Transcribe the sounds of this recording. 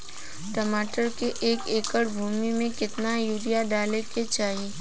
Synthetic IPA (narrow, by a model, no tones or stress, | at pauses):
ʈomaːʈəɾkeʔeːkeːkəɽbʱuːmimẽkɪt̪najuːɾijaɖaːleket͡ʃaːɦieː